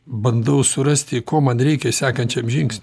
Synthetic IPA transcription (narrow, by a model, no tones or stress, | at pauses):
bɐnd̪ɐʊsʊɾɐsʲt̪ʲɪkoːmɐnɾʲɛɪkʲɛsʲæːkɐnʲt͡ʃʲɛmʒʲɪŋksʲnʲ